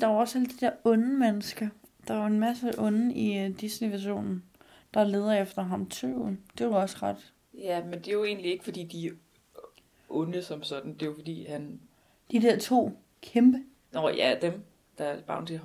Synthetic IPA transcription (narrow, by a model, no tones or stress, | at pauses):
d̥ɑ̈ɐɒ̽sæləd̥id̥eɐɔ̽nmenəsɡ̥ɐd̥ɑ̈e̝nmæsəʔɔ̽nəid̥isniʋæɕo̝̰ːnn̩ | d̥ɑ̈leːðˠɐefd̥ɐɦɑ̈mt͡sʰø̰ːʊ̰d̥e̝ɒ̽səʁɑd̥ | jæmend̥e̝joe̝̰ːnlie̝ɡ̥fɒd̥ḭːd̥i | ʔɔnəsɒ̽msɒ̽d̥n̩d̥e̝jofɒd̥ḭːhæn | d̥id̥eɐ̰t͡sʰo̝̰ː | kʰemb̥ə | nɒjæd̥em | d̥ɑ̥̈b̥ɑ̰̈ːnd̥e